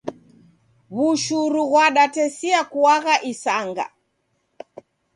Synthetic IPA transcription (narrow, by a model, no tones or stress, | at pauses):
βuʃuɾuɣwaɗatɛsiakuaɣaʔisaŋɡa̰